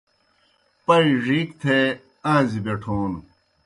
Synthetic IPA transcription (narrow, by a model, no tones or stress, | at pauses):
pɐiʐiːkt̪ʰe | ãːzibeʈʰuːn